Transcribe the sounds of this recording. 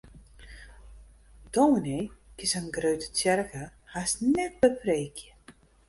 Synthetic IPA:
d̥omnekɪsənɡrøɥtə̥tjɛrkəhasnɛt̚bəpreːkʰjə

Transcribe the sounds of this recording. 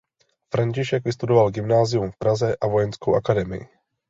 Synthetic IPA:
fɾaɲcɪʃɛɡvɪst̪udovalɡɪmnaːzɪjumfpɾazɛʔavojɛnskowʔakadɛmɪ̰jɪ̰

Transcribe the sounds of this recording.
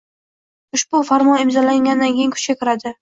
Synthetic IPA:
ʊʃbʊfaɾmɒnɪmzɒlaŋʲanɪd̪ankʲejɪŋkʰʊ̥t͡ʃkʲakʲɪɾad̪ɪ

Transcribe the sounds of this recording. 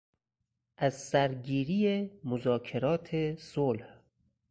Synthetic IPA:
ʔæzsæɾɡiːɾiːjemozɒːkʰeɾɒːt̪ʰesolh

